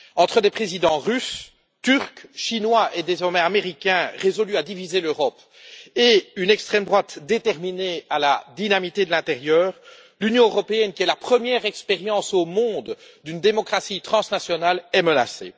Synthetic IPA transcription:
ɑ̃t̪χəd̪epχezid̪ɑ̃ʁys | t̪yʁkʃinwaʔed̪ezɔʁmɛameʁikʲɛ̃ʁezɔlyad̪ivizeløʁɔp | eynɛkst̪χɛmd̪ʁwat̪d̪et̪ɛʁmineala̰d̪inamit̪ed̪əlɛ̃t̪eʁjœːʁ | lynjɔ̃øʁɔpeɛnkʲiɛlapχəmjɛʁɛkspeʁjɑ̃somɔ̃d̪ | d̪ynd̪emɔkχasit̪χɑ̃snasjɔnalɛməna̰sḛː

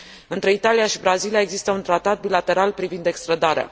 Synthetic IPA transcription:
ɨnt̪ɾe̞it̪alijaʃibɾazilijae̞ɡzist̪əunt̪ɾat̪at̪̚bilat̪e̞ɾalpɾivind̪e̞kst̪ɾəd̪aɾea̰

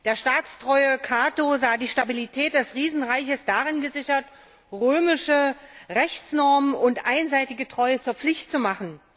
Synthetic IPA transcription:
d̥eːɐʃtaːt͡stʁ̥ɔʏəkʰaːtozaːdiːʃtabilitʰɛːt̚d̥ɛsʁiːzn̩ʁaɪçəsd̥aʁɪnɡəzɪçɐt | ʁøːmɪʃəʁɛçt͡snɔɐmənʊntʔaɪnzaɪtɪɡətʁ̥ɔʏət͡suːɐp͡flɪçtt͡sumaχn̩

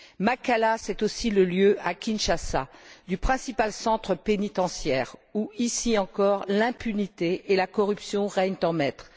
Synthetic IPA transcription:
makalasɛt̪osiləljøakʲinʃasa̰d̪ypχɛ̃sipalsɑ̃t̪χəpenit̪ɑ̃sjɛʁuisiɑ̃kɔʁlɛ̃pynit̪eːlakɔʁypsjɔ̃ʁɛɲt̪ɑ̃mɛt̪χ

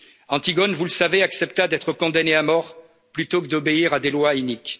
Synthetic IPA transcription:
ɑ̃t̪iɡɔnvuləsaveaksɛp̚t̪ad̪ɛt̪χəkɔ̃d̪aneamɔʁ | plyt̪okəd̪ɔbeiʁad̪elwaynik

